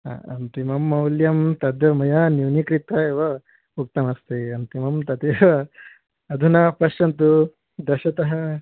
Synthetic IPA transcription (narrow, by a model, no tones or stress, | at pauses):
a̰ɐnt̪imɐmːɐwljɐmt̪ɐd̪jɐmɐjaːnjuːnikɾit̪ɐeʋɐ | uk̚t̪ɐmɐst̪eɐnt̪imɐmt̪ɐt̪iɐ | ɐd̪ʱunɐpɐʃʈɐnt̪u | d̪ɐʃɐt̪ɐɦɐ